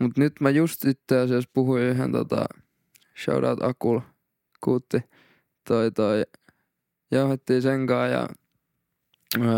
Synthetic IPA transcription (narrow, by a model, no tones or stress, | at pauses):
mut̪nyt̪mæjust̪it̪ːeˑɑsiɑspuhuisiːhḛnt̪o̰t̪ɑ̰ | ʃɑ̰uɾɑ̰t̪ɑkul | kuːt̪ːi | t̪oit̪oi | jɑuhet̪ːiːseŋkɑːjɑ̰